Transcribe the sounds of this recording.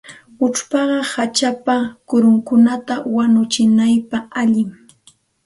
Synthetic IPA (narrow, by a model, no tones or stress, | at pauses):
ʊʈ͡ʂpɑɢɑhat͡ʃapakʊɾʊŋkʊnat̪awanʊt͡ʃɪnajpaaʎɪŋ